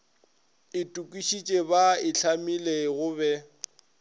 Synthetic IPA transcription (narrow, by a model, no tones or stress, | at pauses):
ɪtʼukʼwiʃit͡ʃʼebaɪɬʰamileɣʊbɛ